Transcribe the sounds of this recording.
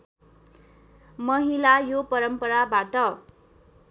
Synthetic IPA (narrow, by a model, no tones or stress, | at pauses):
mʌɦilajopʌɾʌmpʌɾabaʈʌ